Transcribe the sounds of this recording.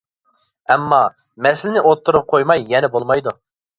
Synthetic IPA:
ɛmːɑ | mɛsɪlɪnɪʔot̪ʰːuɾʁɑqʰojmɑjːɛnɛbolˠmɑjd̪u

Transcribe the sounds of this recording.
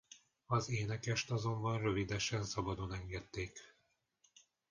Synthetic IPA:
ɒzeːnɛkɛʃt̪ɒzo̞mbɒnrø̞vid̪ɛʃɛnsɒbɒd̪o̞nɛŋɡɛt̪ːeːk

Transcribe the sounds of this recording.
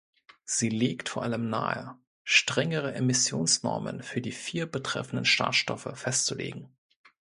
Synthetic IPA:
z̥iːleːktfoːɐʔaləmnaːə | ʃtʁ̥ɛŋəʁ̞əʔemɪsjoːnsnɔ̰ɐmə̰nfyːɐdiːfiːɐbətʁ̥ɛ̰fn̩dən̩ʃa̰ɐʃtɔfəfɛstt͡sulḛːɡŋ̩

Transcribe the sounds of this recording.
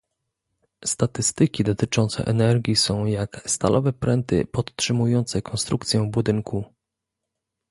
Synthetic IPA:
st̪at̪ɘst̪ɘkʲid̪ɔt̪ɘt͡ʂɔnt̪sɛ̰ʔɛnɛɾɡʲjisɔ̃w̃jakst̪a̰lʔɔvɛpɾɛnt̪ɘ̰pɔt̪ːʂɘmujɔnt̪sɛkʰɔnst̪ɾukt̪sʲjɛ̃vbud̪ɘŋkʰu

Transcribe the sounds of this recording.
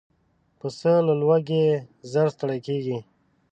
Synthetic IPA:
pəsələlwaɡezəɾst̪aɽajkeɡi

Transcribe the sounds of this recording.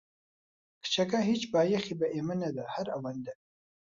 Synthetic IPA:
kə̥t͡ʃakaɦit͡ʃbɑjaxibaʔemanad̪ahaɾawand̪a

